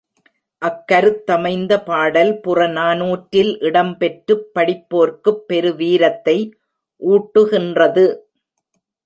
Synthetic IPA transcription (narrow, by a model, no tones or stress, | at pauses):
ʔɐkːɐɾɯt̪ːɐmɐɪnd̪ɐpaːɽɐlpʊrɐnaːnuːʈɾɪlʔɪɽɐmpɛʈrɯpːɐɽɪpːoːɾkɯpːɛɾɯʋiːɾɐt̪ːɐɪ | ʔuːʈːɯɣɪndrɐðɯ